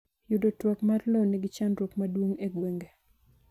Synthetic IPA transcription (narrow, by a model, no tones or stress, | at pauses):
jʊdotwɔkmarlonɛɡɪt͡ʃanɾokmadwoŋeɡweŋɡe